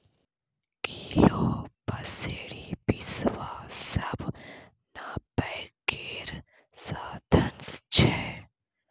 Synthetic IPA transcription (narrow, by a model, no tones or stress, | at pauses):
kʰiloːpəseːɾipisʋaːsəb | nabɛkeːɾ | saːd̪ʱənst͡ʃʰɛː